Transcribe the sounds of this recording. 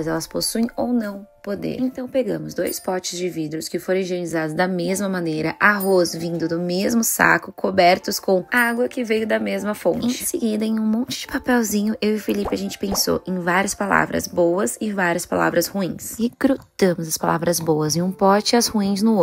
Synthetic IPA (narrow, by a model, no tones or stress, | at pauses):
zɛlɐsposuẽj̃ownɐ̃w̃pod̪ḛɾẽnt̪ɐ̃w̃peɡɐ̃mʊzd̪ojspɔt͡ʃɪzd͡ʒɪvid̪ɾʊskɪfoɾɐ̃ʒenizad̪ʊzd̪ɐmezmɐmɐ̃nejɾɐʔaɦozvĩnd̪ʊd̪ʊmezmʊsa̰kʊkʰobɛɾt̪ʊskõw̃aɡwɐkɪvejʊd̪ɐmezmɐfõ̰nẽt͡ʃɪ̃sɪɡid̪ɐẽj̃ũmõnt͡ʃɪd͡ʒɪpapɛwzĩɲʊʔewɪfilipɪɐʒẽnt͡ʃɪ̥pẽso̰ʔẽj̃vaɾiɐspala̰vɾɐ̰zbowɐzɪvaɾiɐspa̰la̰vɾɐshuĩsɪɡ̥ɾut̪ɐ̃mʊzɐspala̰vɾɐzbowɐzẽũpɔt͡ʃɪɐzhuĩznʊ